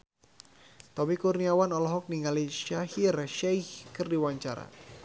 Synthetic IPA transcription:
t̪ɔmikurniawanɔlɔɦɔk̚niŋaliʃahirʃɛjhkɨrdiwaɲt͡ʃaɾa̰

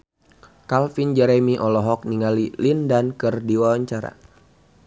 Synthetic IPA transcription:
kalfind͡ʒɛɾɛmiʔɔlɔɦɔk̚niŋalilindankɨrdiwawaɲt͡ʃaɾa̰

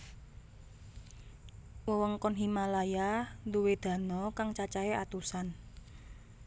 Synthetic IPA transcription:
wɔwəŋkɔnɦimalajand̪uwed̪̥ä̤nɔkaŋt͡ʃat͡ʃaeat̪usan

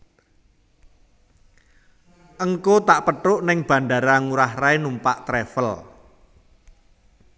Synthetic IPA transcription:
ʔəŋkot̪aʔpəʈʊʔnɪŋb̥ä̤ɳɖaɾaŋuɾahɾaenumpaʔt̪ɾefəl

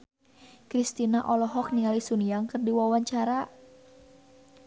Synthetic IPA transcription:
kɾist̪inaʔɔlɔɦɔk̚niŋalisuniaŋkɨrdiwawaɲt͡ʃaɾa

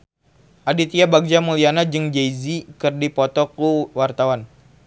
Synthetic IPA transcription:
ʔadit̪iabaɡ̚d͡ʒamulianad͡ʒɨŋd͡ʒejzikɨrdipɔt̪ɔkuwart̪awan

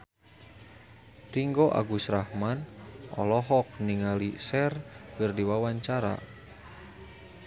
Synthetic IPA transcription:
riŋɡɔʔa̰ɡusɾahmanɔ̰lɔɦɔk̚niŋalisɛrkɨrdiwawaɲt͡ʃaɾa̰

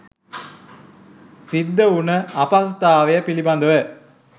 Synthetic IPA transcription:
sid̪ːəunəɐpast̪aːʋejɐpiliband̪əʋə

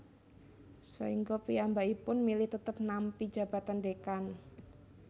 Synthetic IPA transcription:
sa̰iŋɡopiambaipʊnmilɪht̪ət̪əp̚nampi̥d͡ʒ̥a̤b̥a̤t̪andekan

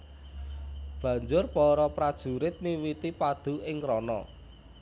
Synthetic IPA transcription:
b̥a̤ɲd͡ʒʊrpɔɾɔpɾad̥ʒ̥ṳɾɪt̪̚miwit̪ipad̪̥ṳɪŋkɾɔnɔ̰

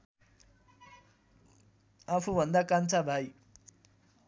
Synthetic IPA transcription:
apʰubʱʌnd̪akant͡sabʱaj

